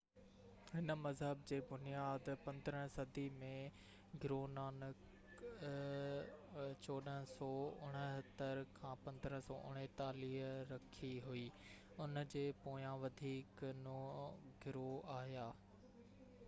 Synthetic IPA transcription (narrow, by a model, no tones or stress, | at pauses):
ɦɪnə̆mɐzɦəbd͡ʑeːbʊnijaːd̪pɐ̃nd̪əɾə̃sɐd̪ʱimẽ | ɡɪɾoːnaːnək | t͡ɕoːɗəsɔːʊɽ̃ə̆ɦɐt̪əɾkʰãːpɐ̃nd̪ɾə̃sɔːʔʊɽ̃et̪aːliːɦɾɐkʰiɦuiː | ʊnd͡ʑeːpoːjãʋɐd̪ʱiːknoɡɪɾoaːɦjaː